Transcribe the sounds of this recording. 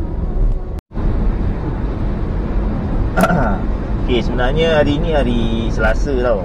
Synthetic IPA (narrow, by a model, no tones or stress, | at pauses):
okesəbənarɲəaɾiniaɾisəlasət̪aw